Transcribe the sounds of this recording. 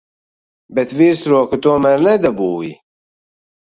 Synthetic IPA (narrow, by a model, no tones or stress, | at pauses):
bɛt̪viːɾsɾoːkɨt̪oːmɛɾnɛd̪ɐbuːwḭ